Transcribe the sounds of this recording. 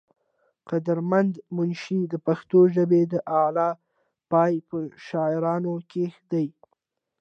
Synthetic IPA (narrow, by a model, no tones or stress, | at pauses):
qad̪əɾmand̪mʊnʃid̪əpaxt̪oʒəbed̪əʔɑlɑ | pɑjpəʃɑɪɾɑnokexd̪aj